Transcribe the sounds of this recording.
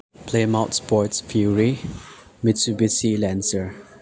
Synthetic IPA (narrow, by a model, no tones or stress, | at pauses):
pʰlemaʊtspɔtsfjuɹi | misubisilɛ̃nsə